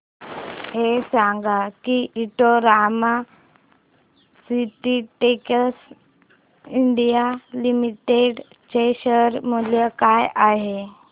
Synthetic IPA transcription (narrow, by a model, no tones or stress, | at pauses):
hesaŋɡakiʔiʈoɾama | siʈiʈekəs | iɳɖijalimiʈeɖ | t͡ɕeɕəɾməljəkajaɦe